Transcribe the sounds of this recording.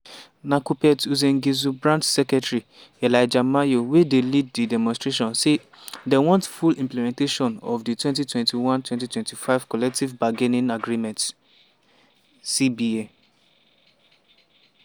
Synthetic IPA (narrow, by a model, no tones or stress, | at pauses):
nakupɛtuzɛ̃ŋɡizubɹãntsɛkɛtɹi | ɛlaɪd͡ʒamajowedelid̚didɛmɔ̃nstɹeʃ̬ɔ̃nse | dɛwɔ̃ntfulĩmplɛmɛ̃nteʃɔ̃nɔvditwɛ̃ntitwɛ̃ntiwãntwɛ̃ntitwɛ̃ntifaɪv̥kɔlɛk̚tivbaɡenĩnaɡɾimɛ̃nt | sibie